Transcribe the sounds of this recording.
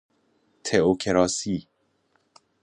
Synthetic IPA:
t̪ʰeokʰeɾɑsi

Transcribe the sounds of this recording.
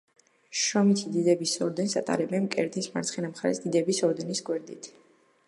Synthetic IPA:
ʃɔmit̪ʰid̪id̪ɛbisɔɾd̪ɛnsa̰t̪ʼa̰ɾɛbɛnkʼɛɾd̪isma̰ɾt̪sʰχɛnamχaɾɛ̰sd̪id̪ɛbisɔɾd̪ɛnisɡʼwɛɾd̪ḭt̪ʰ

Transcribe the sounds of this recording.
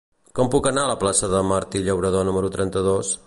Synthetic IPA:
kɔmpukənaələplasəðəmaɾt̪iʎəwɾəð̞onuməɾut̪ɾɛnt̪əð̞os

